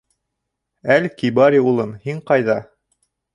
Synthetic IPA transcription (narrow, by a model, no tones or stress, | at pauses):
ælkibɑɾʲiulˠɤnhiɴqɑjðɑ